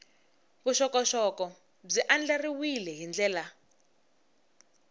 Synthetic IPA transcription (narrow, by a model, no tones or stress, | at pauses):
βuʃɔkɔʃɔkɔ | b͡ʐiʔand͡ɮariwilɛɦind͡ɮɛːla